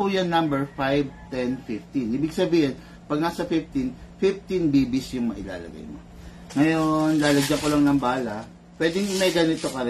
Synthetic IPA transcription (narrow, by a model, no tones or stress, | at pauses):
ojɐŋnɐ̃mbɛɹfajv̚t̪ɛnfɪft̪inʔiːbɪɡsɐbiːhɪn | pɐɡ̚naːsɐfɪft̪infɪft̪inbiːbɪsjʊŋmɐʔɪla̰ːlɐ̰ɡa̰jmo̰ | ŋɐjo̞nlaːlɐɡd͡ʒɐŋkolɐŋnɐŋbaːlɐ | pwɛːd̪ɪŋmɐjɡɐnɪt̪o̞kɐɾɛ